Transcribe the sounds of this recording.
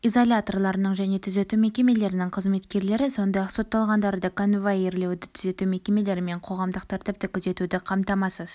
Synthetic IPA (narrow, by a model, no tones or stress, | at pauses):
izo̞lʲat̪o̞rlˠɑɾənəɴʒæne̞t̪ʰʏze̞t̪ume̞kʲe̞me̞le̞ɾɪnɪŋqʰəzme̞t̪kʲe̞ɾle̞ɾɪso̞nd̪ɑjɑqso̞t̪ːɑlˠʁɑnd̪ɑɾd̪əkʰonvajeɾle̞wd̪ɪt̪ʰʏze̞t̪ume̞kʲe̞me̞le̞ɾɪme̞ɴqʰo̞ʁɑmd̪əq̚t̪ʰæɾt̪ɪp̚t̪ɪkʲʰʏze̞t̪ud̪ɪqʰɑmt̪ɑmɑsəz̥